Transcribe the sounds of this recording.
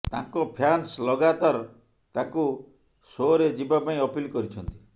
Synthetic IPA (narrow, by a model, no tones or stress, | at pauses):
t̪ã̰ŋkɔpʰjanslɔɡat̪aɾ | t̪ãŋku | soɾed͡ʒibapaĩɔpilkɔɾit͡ʃʰɔnt̪i̥